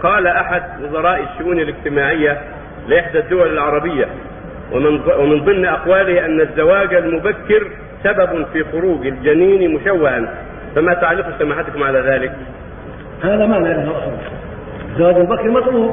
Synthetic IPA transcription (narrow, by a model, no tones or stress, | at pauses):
qɑːlaʔaħad̪wʊzˤɑɾˤɑːʔɪʃːʊʔuːnɪlɪɡt̪ɪmaːʕɪjːa | lɪʔɪħd̪æd̪ːʊwælɪlʕɑɾˤɑbɪjːa | nwɪmɪnðˤɨmːʔɑqwaːlɪhʔanːazːawaːd͡ʒalmʊbakːɪɾ | sabæbfiːxʊɾuːɡald͡ʒæniːnimʊʃawːɪhan | fæmæt̪aʕalːɪqusamaːħat̪kʊmʕalaːðaːlɪk̚ | haːðæmaʕnaːɾɪalʔɑxˤɑ | ɪzːawaːd͡ʒlmʊbakːɪɾmɑt̪ˤluːb̚